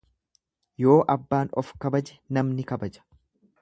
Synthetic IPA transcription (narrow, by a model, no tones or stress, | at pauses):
jo̞ːʔɐbːaːnɔfkɐbɐd͡ʒɛnɐmnɪkɐbɐd͡ʒɐ̥